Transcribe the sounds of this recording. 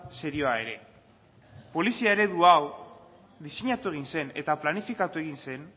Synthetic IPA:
se̞ɾio̞ae̞ɾe̞̰ | po̞lisiae̞ɾe̞ðuaw | ðise̞ɲat̪ue̞ɣ̞inse̞net̪aplanifikat̪ue̞ɣinse̞n

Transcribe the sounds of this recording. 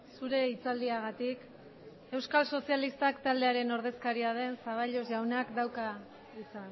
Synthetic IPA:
suɾe̞it͡sald̪iaɣ̞at̪ik | e̞wskalso̞sialist̪akt̪ald̪eaɾe̞no̞ɾð̞e̞skaɾiað̞e̞nsaβ̞aʎo̞szʝawnakd̪awka | it͡san

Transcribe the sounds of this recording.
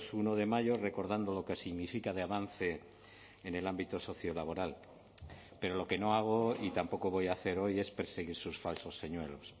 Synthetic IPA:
sunoðe̞maʝore̞ko̞ɾðand̪o̞lo̞kesiɣnifikað̞e̞aβ̞an̟θe̞ː | ne̞lambit̪oso̞θjo̞laβ̞o̞ɾal | pe̞ɾo̞lo̞ke̞no̞aɣ̞o̞it̪ampo̞ko̞βo̞jaθe̞ɾo̞je̞spe̞ɾse̞ɣiɾsusfalso̞sːe̞ɲwe̞lo̞s

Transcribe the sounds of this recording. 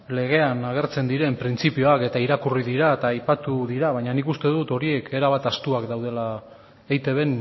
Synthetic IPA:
le̞ɣ̞e̞anaɣ̞e̞ɾt͡se̞nd̪iɾe̞mpɾint͡sipio̞ake̞t̪aiɾakuriðiɾaet̪aːjpat̪uðiɾaβ̞ajɲanikust̪e̞ðut̪o̞ɾie̞ke̞ɾaβat̪ast̪uakd̪awð̞e̞la | ejt̪e̞βe̞n

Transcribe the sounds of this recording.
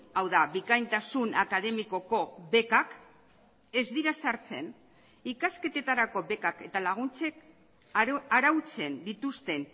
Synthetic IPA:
awðaβikajnt̪asunakað̞e̞miko̞ko̞βe̞kak | e̞zðiɾasaɾt͡se̞n | ikaske̞t̪e̞t̪aɾako̞βe̞kake̞t̪alaɣ̞unt͡se̞k | aɾawt͡se̞nd̪it̪ust̪e̞n

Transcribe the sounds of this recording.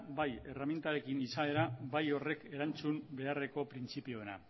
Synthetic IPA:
baje̞ramjent̪aɾe̞kinisae̞ɾabajo̞re̞ke̞ɾant͡sumbe̞are̞ko̞pɾint͡sipio̞ena̰

